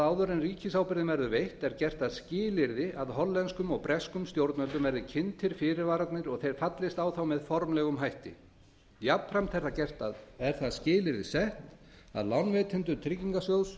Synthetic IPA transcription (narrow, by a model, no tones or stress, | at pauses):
aːwðœɾɪnriːcɪsawpɪɾðɪmvɛɾðʏvejht̪ɛɾcɛr̥t̪aðscɪːlɪɾðɪʔaðɦɔlːɛnskʏmɔɣpɾɛskʏmst̪jowɾt̪nœlt̪ʏmvɛɾðɪcʰɪnt̪ʰɪɾ̥fɪːɾɪɾvaːɾat̪nɪɾɔɣθejɾ̥fat̪lɪst̪awθawmɛðfɔɾmlɛɣʏmɦajht̪ɪ̰ | japfɾamt̪θɛ̥θacɛr̥t̪aðɛɾ̥θaðscɪːlɪɾðɪsɛht̪ | a̰ðlawnvɛːt̪ʰɪnt̪ʏt̪ʰɾɪcːiŋkasjows